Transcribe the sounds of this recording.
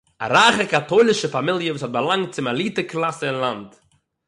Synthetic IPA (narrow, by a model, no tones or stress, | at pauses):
a̰ɾaːχəkatoɪlˠɪʃəfamɪlˠjəvuːsɔt̚balˠaŋt̚t͡sɪmalˠiːtəklˠasəɪnlˠant